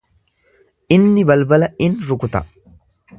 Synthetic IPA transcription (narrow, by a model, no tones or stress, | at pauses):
ʔɪnːɪbɐlbɐlɐɪnɾʊkʊt̪ɐ̰